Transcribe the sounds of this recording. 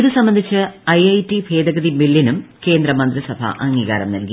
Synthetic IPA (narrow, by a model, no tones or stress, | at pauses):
iðɨsɐmbɐnd̪ʱit͡ɕːɨɐjɐjtibʱe̞ːd̪ɐɣɐðimilːinumke̞ːnd̪ɾɐmɐnd̪risɐbʱɐ̰ʔɐŋːiɣa̰ːɾɐmnɐlki